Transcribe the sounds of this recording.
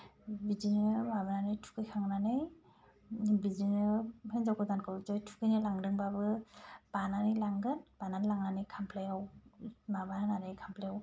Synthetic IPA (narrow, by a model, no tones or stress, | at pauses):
bizinɯbabɯnanɯjtʰu̥kɯjkʰaŋnanɯj | bizinɯhenzawkʰɯdankʰɯwd͡ʒɔjtʰu̥kɯjnɯlaŋdɯŋbabɯb̥ananɯlaŋɡɯnb̥ananilaŋnanɯjkʰampʰlajawmabanananɯjkʰampʰlajaw